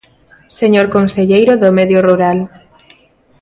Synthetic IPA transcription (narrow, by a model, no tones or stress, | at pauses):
seɲoɾkonseʎejɾoðomeðjoruɾal